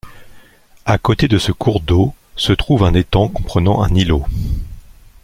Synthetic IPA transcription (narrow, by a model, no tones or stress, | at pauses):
akot̪ed̪əsəkʰuʁd̪o | sət̪χuvɛ̃net̪ɑ̃kɔ̃pχənɑ̃ɛ̰̃nilo